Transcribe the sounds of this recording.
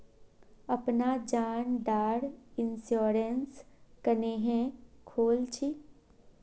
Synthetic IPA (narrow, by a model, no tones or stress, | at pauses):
əpnad͡ʒaːnɖaːɽɪnsjoːɾenskəneɦɛ̃kʰoːlt͡ʃʰi